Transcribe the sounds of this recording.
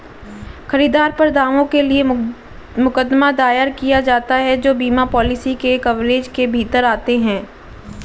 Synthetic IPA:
xɐɾiːd̪aːɾpɐɾd̪aːʋõkelie | mʊkəd̪mad̪aːjəɾkijad͡ʒaːt̪aɦɛd͡ʒoːbiːmapɔːlɪsikekɐʋleːd͡ʒkebʱiːt̪əɾaːt̪eɦɛ̃ː

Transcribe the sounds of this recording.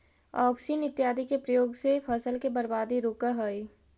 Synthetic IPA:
ɔːpsiːnɪt̪jaːd̪ʱikepɾəjoːɡsepʰəsəlkebəɾbaːd̪iɾoːkaɦoi

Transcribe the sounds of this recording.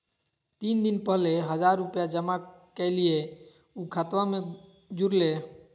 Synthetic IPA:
t̪ind̪inpəɦleɦəd͡ʒaɾːupjad͡ʒəmakɛɪlie | ukʰat̪ʋame | d͡ʒuɾle

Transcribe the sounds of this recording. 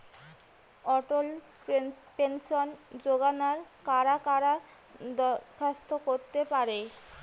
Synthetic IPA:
ɔʈol | penʃond͡ʑoɡanaɾkaɾakaɾa | d̪ɔkʰast̪okoɾt̪epaɾe

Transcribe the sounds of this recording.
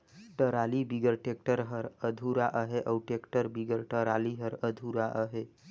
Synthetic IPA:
ʈəɾalibiɡəɾʈek̚ʈəɾɦəɾəd̪ʱuɾaʔəɦeʔəwʈekʈəɾbiɡəɾʈəɾaliɦəɾəd̪ʱuɾaʔəɦe

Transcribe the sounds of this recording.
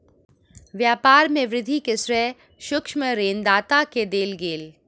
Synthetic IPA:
ʋjaːpaːɾmẽʋɾɪd̪ʱikesɾɛː | ʃʊkʃməɾeːnd̪aːt̪aked̪eːlɡeːl

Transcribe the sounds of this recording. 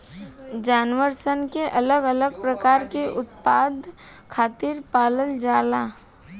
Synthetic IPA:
d͡ʒaːnʋəɾsənkeʔɐləɡələɡpɾəkaːɾkeʔʊt̪̚paːd̪ | kʰaːt̪iɾpaːləld͡ʒaːlaː

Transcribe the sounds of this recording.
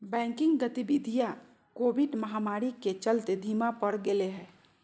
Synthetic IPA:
bɛ̃ŋkɪ̃ŋɡɡət̪ibid̪ʱija | kobʱiɖməɦamaɾiket͡ʃəlt̪ed̪ʱimapəɽɡeleɦɛ

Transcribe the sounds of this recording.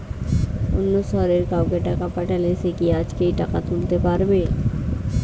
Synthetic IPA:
ʊnːosɔːɾeɾkaːokeʈakapəʈəlesekiaːd͡ʒkeiʈakat̪ʰult̪epaːɾbeː

